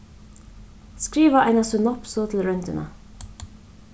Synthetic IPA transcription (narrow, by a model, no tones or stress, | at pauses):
skɾiːʋɑʔæɪnɑsʉnɔpsoːt̪ʰl̩ɹœnt̪ə̰nʔɑ̰